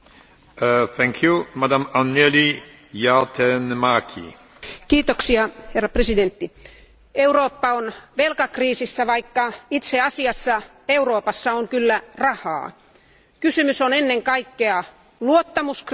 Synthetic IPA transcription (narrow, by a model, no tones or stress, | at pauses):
θæ̃ŋkʰjumad̪amaneli | jɑt̪ʰɛnmakʰḭ | kiːt̪oksiɑherːɑpresident̪ːi | euroːpːɑonʋelkɑkriːsisːæʋɑikːɑit̪seɑsiɑsːɑ | euroːpɑsːɑoŋkylːærɑhɑ̰ː | kysymysonenːeŋkɑikːeɑ | luot̪ːɑmusk